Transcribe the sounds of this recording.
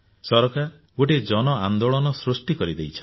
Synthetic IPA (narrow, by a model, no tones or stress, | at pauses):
sɔɾɔkaɾ | ɡoʈid͡ʒɔnɔand̪oɭɔnɔsɾusʈikɔɾid̪ejt͡ʃʰ